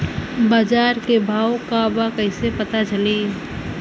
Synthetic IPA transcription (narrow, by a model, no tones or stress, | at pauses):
baːd͡ʒaːɾkebʱaːokabakəɪsepɐt̪at͡ʃɐleː